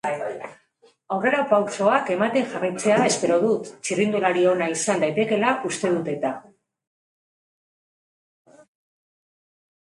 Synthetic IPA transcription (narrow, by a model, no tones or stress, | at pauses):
awre̞ɾapawso̞ake̞mat̪e̞ŋʝarajt͡se̞ae̞spe̞ɾo̞ðut̪t͡ʃirind̪ulaɾio̞naisand̪ajt̪e̞ke̞laʔust̪e̞ð̞ut̪e̞t̪a